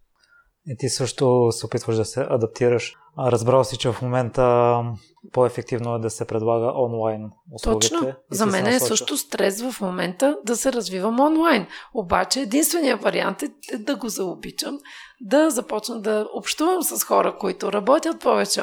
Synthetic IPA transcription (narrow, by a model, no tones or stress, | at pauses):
it̪isɤʃt̪osɛopit̪vəʒd̪ɐsɛʔɐd̪ɐp̚t̪iɾəʃ | ɾɐzbɾalˠsit͡ʃɛvɐfmomɛnt̪ə | poɛfɛk̚t̪ivnoɛd̪ɐsɛpɾɛd̪lˠaɡəʔɔnlˠajnʊslɔuɡt͡ʃinoɛzɐmɛnɛːssɤʃt̪ʊst̪ɾɛsvɐfmomɛnt̪əd̪ɐsɛɾɐzvivəmɔnlˠajnobat͡ʃɛːd̪inst̪vɛnijəvɐɾia̰nt̪ɛɛd̪ɐɡozɐobit͡ʃəmd̪ɐzɐpɔt͡ʃnəd̪ɐopʃt̪uvəmsɐsxɔɾəkoit̪ʊɾɐbɔt̪ʲjət̪̚pɔvɛt͡ʃɛ